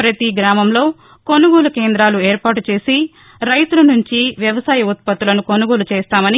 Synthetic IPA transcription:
pɾɐt̪iɡɾaːmɐmlo̞ː | ko̞nuɡoːlukeːnd̪ɾaːlueːɾpaːʈut͡ʃe̞ːsi | ɾɐjt̪ulɐnuɲt͡ʃiʋjɐʋɐsaːjɐut̪̚pɐt̪ːulɐnuko̞nuɡoːlut͡ʃeːst̪aːmɐni

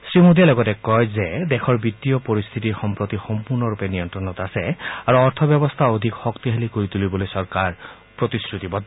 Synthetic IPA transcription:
sɹimod̪ijalɔɡɔtekɔjzed̪ekʰɔɹbit̪iɔpoɾist̪ʰit̪iɹxɔmpɹot̪ixɔmpuɹnɔɾupeniɔnt̪ɾɔnɔt̪asɛaɹuɔɹt̪ʰɔbjɔbɔst̪ʰaod̪ʱikxɔkt̪iɦelikoɹit̪ulibolojsɔɹkaɹ | pɹot̪iskɹut̪ibɔd̪

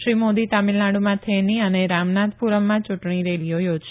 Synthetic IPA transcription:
ʃɾimod̪it̪amilnaɽumãt̪ʰeniəneɾamnat̪puɾəmːãt͡ʃʊʈɳ̃iɾelijojod͡ʒʃ

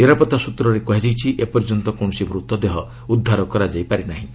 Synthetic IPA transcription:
niɾapɔt̪asut̪ɾɔɾekɔɦed͡ʒajt͡ʃʰiʔepɔɾd͡ʒɔnt̪ɔkoñɔsimɾut̪ːɔd̪eɦɔ | ud̪ʱːaɾɔkɔɾad͡ʒajpaɾinaɦĩ

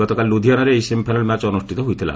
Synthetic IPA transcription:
ɔt̪okalːud̪ʱijanaɾeejsempʰajnalmɛt͡ɕɔnusʈʰit̪ɔɦojt̪ʰila̰

